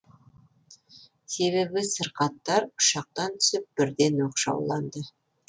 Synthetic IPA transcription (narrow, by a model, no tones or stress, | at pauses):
se̞βe̞bɪsəɾqɑt̪ːɑɾʊ̥ʃɑq̚t̪ɑnt̪ʰʏ̥sɪp̚b̥ɪɾd̪e̞noqʃɑ̰wlˠɑnd̪ə